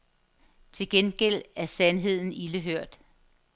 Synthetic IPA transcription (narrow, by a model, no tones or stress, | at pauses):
t͡sʰe̝lɡ̥enɡ̥el̰æɐsænɦe̝ð̰ˠn̩iləɦøɐ̰d̥